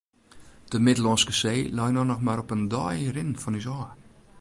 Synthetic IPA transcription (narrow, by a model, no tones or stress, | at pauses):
d̥əmɪdəlɔnskəseːlɛjnɔnɔxmaɾɔpəndɔ̰ːjəɾɪnfɔnys̬ɔː